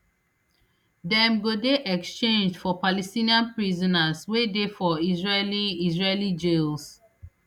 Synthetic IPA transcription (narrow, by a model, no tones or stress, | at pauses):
dɛ̃mɡodeʔɛkst͡ʃẽnd͡ʒfɔpalɛstĩniãnpɹizɔ̃naswedefɔizɹeliizɹelid͡ʒels